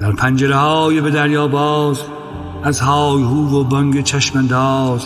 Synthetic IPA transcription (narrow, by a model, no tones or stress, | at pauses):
d̪̥æɾpʰænd͡ʒeɾehɒːjebed̪æɾjɒːbɒːz | æzhɒːjhuːvobɒŋɡet͡ʃʰæʃmænd̪ɒːz